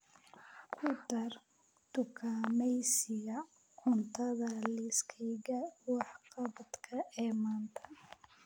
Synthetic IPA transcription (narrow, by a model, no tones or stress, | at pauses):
kʰʊd̪ɐr | d̪̥ʊkʰaːmɛjsɪjɐ | ʔʊnt̪ʰɐðɐlɪskʰɛjɣɐwɑħqɑβɐd̪kʰɐʔɛːmaːnt̪ʰɐ̥